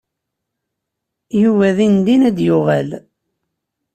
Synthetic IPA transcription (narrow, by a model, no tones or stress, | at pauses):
juvæðind̪inæd̪jʊʁæl